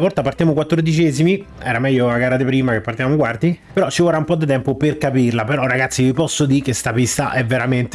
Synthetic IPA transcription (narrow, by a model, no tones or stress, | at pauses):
vɔrt̪apaɾrt̪ijaːmokwat̪ːord̪it͡ʃɛːzimiɛːɾamɛʎːoaɡaːɾad̪epɾiːmakepːaɾrt̪ivamokwart̪ipeɾɔt͡ʃːivoɾaumpɔd̪ːit̪ɛmpoperkapirlapeɾɔrːaɡat̪sːivipɔsːod̪ikest̪apist̪a̰ʔɛvːeɾament̪